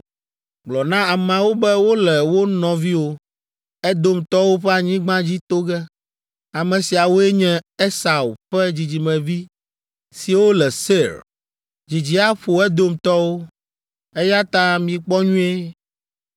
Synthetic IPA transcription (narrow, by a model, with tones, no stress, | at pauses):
ɡ͡blɔ˨nã˦a˨mɛ̃˨wo˦bɛ˦wo˦lɛ˨wo˦nɔ̃˨vi˦wo˦ | ɛ˦d̪o˦mt̪ɔ˦wo˦ɸɛ˦a˨ɲĩ˦ɡ͡bã˦d͡ʑi˦t̪o˦ɡɛ˦ | a˨mɛ̃˨si˨a˨wo˦ɛ˦ɲɛ̃˦e˦sa˨wu˨ɸɛ˦d͡ʑi˨d͡ʑi˨mɛ̃˨vi˦ | si˨wo˦lɛ˨se˦˨ɾ | d͡ʑi˨d͡ʑi˨a˦ɸo˨ɛ˦d̪o˦mt̪ɔ˦wo˦ | ɛ˦ja˦t̪ã˦mĩ˨k͡pɔ˦ɲũ˦e˦